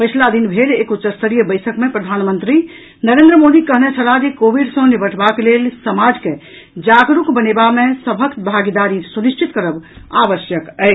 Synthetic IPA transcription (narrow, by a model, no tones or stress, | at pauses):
pət͡ʃʰlad̪inbʱelekut͡ʃəɾst̪əɾijəbəɪsʰəkmepɾəd̪ʱanmə̃nt̪ɾi | nəɾend̪ɾəmod̪ikəɦnɛt͡ʃʰəlad͡ʒekobiɖsə̃nibəʈʰbaklelsəmad͡ʒke | d͡ʒaɡɾukbənebamesəbʱəkt̪bʱaɡid̪aɾisuniʃʈʰit̪kəɾəbabəsjəkəɪ